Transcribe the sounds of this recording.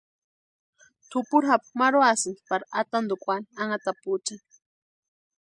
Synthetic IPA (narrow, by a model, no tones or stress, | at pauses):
t̪ʰʊpuɾɦap̚maɾoasɨnpaɾat̪and̪okʷaniaŋat̪aput͡ʃaŋ